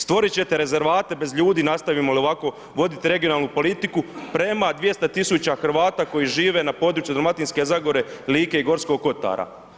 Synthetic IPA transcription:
st̪ʋo̞ɾit͡ɕe̞t̪e̞ɾe̞ze̞ɾʋaːt̪e̞be̞zʎuːd̪iːnast̪aʋimolioʋako̞ | ʋo̞d̪it̪iɾe̞ɡio̞naːlˠnupo̞lit̪ikupɾe̞mad̪ʋje̞st̪at̪isut͡ɕaxɾ̩ʋaːt̪aːko̞jiʒiːʋe̞napo̞ːd̪ɾuːt͡ʃjud̪ɾomat̪inske̞zaɡo̞ɾe̞liːke̞iɡo̞ɾsko̞ɡ̚ko̞t̪a̰ɾa̰

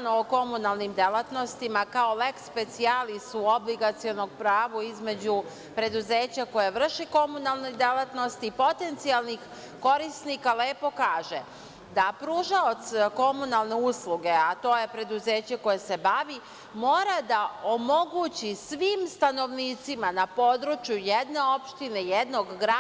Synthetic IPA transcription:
noːko̞munalˠnimd̪elˠat̪no̞st̪imakao̞le̞kspe̞t̪sialisuo̞bliɡat̪sio̞no̞ɡ̚pɾaːʋuizme̞d͡ʑu | pɾe̞d̪uze̞ːt͡ɕako̞jeʋr̩ʃiko̞munalˠnojd̪elat̪no̞st̪iːpo̞t̪e̞nt̪sialˠnix | ko̞ɾisnikaleːpo̞kaːʒḛ | d̪apɾuʒaot̪sko̞munalˠne̞uːslˠuɡe̞at̪o̞je̞pɾe̞d̪uze̞ːt͡ɕeko̞jese̞baʋi | mo̞ːɾad̪aomo̞ɡut͡ɕisʋiːmst̪ano̞ʋniːt̪simanapo̞d̪ɾut͡ʃjujed̪ne̞o̞pʃt̪ine̞jed̪no̞ɡɡɾa

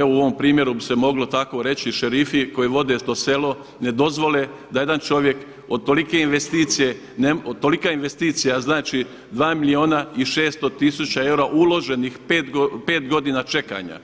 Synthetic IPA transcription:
euoʋompɾiːmje̞ɾubise̞mo̞ɡlo̞t̪ako̞ɾe̞t͡ɕiʃeɾifiko̞jiʋo̞d̪e̞st̪o̞se̞lo̞ | ne̞d̪o̞zʋo̞le | d̪aje̞d̪ant͡ʃo̞ʋje̞k | o̞d̪̚t̪olike̞inʋest̪iːt̪sije̞ | neot̪o̞likainʋe̞st̪iːt̪sijaznaːt͡ʃi | d̪ʋaːmilio̞ːnaiʃe̞ːst̪o̞t̪isut͡ɕae̞wɾaʔulˠo̞ʒe̞nixpeːt̪pe̞ːt̪ɡo̞d̪inat͡ʃe̞ka̰ːɲa̰

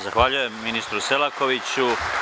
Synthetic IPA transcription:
zaxʋaʎuje̞mːinist̪ɾuselako̞ʋit͡ɕu

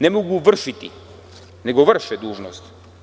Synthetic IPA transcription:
nɛmoɡuvərʃit̪i | nɛɡovəɾʃɛd̪uʒnost̪

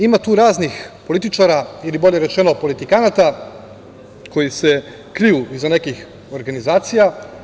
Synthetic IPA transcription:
imat̪uːɾaːznixpo̞lit̪it͡ʃaɾailiboʎe̞ɾe̞t͡ʃe̞no̞po̞lit̪ikanat̪a | kʰo̞jise | kɾijuizane̞kix | o̞ɾɡanizaːt̪sija

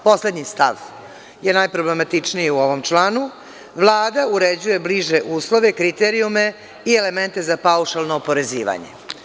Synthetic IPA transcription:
po̞sled̪ɲist̪a̰ʋ | je̞najpɾoble̞mat̪it͡ʂnijiuo̞ʋo̞mt͡ʂlˠaːnu | ʋlˠaːd̪auɾed͡ʑuje̞bliʒe̞ʔuːslˠo̞ʋe̞kɾit̪eɾiume̞ | iele̞ment̪e̞zapauʃalˠnoːpo̞ɾe̞ziːʋa̰ɲḛ

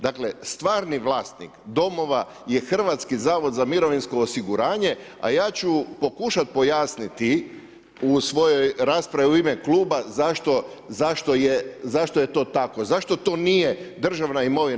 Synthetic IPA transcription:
d̪aklest̪ʋaːɾniʋlˠaːst̪nḭkd̪o̞mo̞ʋa | je̞xr̩ʋat̪skizaːʋo̞d̪zamiɾo̞ʋinsko̞ːsiɡuɾaːɲe̞a̰jaːt͡ɕupo̞kuʃat̪̚po̞jaːsnit̪i | usʋo̞jo̞jɾaːspɾaʋiuimeklˠuːbazaʃt̪o̞ | zaʃt̪o̞jezaʃt̪o̞je̞t̪o̞ːt̪ako̞zaʃt̪o̞t̪o̞ːnijed̪r̩ʒaʋnaimo̞ʋi

